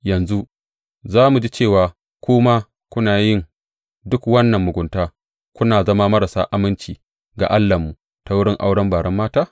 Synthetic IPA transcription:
jɐ˨nzu˦ | zaː˦mu˨d͡ʒi˦t͡ʃeː˦˨waː˨ | kʷoː˦ma˦ | kʷʊ˦naː˨jɪ˦˨ŋ | dʊ˦kwɐ˦nːɐ˨mːʊ˨ɡʷʊ˨ntaː˦ | kʷʊ˦naː˨zɐ˦ma˦mɐ˦ɾa˨sa̰ː˦ʔa˦mɪ˦nt͡ʃiː˨ | ɡa̰˨ʔa˦lːa˨mːu˨ | ta˨wʊ˦ɽɪ˦ŋʔa˦wɽɐ˦mbaː˨ɽʔɛ˦mːaː˦taː˦

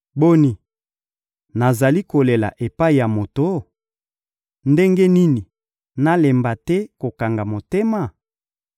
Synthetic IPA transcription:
bo˦ni˨ | na˨za˨li˦ko˨le˨la̰˨ʔe˨pa˦i˨ja˨mo˨to˨˦ | nde˦ŋɡe˦ni˦ni˨ | na˦le˨mba˨tɛ˦ko˨ka˨ŋɡa˨mo˨te˦ma˦˨

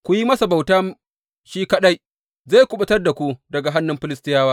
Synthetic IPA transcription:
kʷʊ˨ji˦mɐ˦sa˨ba˨wtaː˦m | ʃiː˦kɐ˦ɗa˦j | zaː˦˨jkʷʊ˨ɓʊ˦tɐ˦rda˨kʷu˦dɐ˨ɡa˨ɦa˦nːʊ˦mɸɪ˦lɪ˦stɪ˦jaː˦waː˦

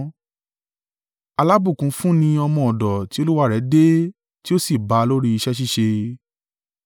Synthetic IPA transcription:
a˧la˦bu˦˨kũ˨˦fũ˦nĩ˧ɔ˧mɔ̃˧ɔ˨dɔ˨ti˦o˦lu˦wa˦˨ɾɛ˨˦de˦ | ti˦o˦si˦˨ba˨˦˧lo˦ɾi˦i˧ʃɛ˦ʃ̬i˦ʃe˧

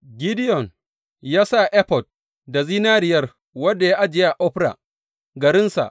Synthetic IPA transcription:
ɡʲɪ˦dɪ˦jɔ˨n | jaː˦sa˦˨ʔɛ˦pɔ˨t̚ | da˨ziː˦naː˦ɾɪ˨jɐ˦r | wɐ˦dːa˨jaː˦ʔa˦d͡ʒɪ˨ja˦ʔa˨ʔɔ˦ɸɾa̰˨ | ɡɐ˨ɾɪ˦nsa̰˨ʔ

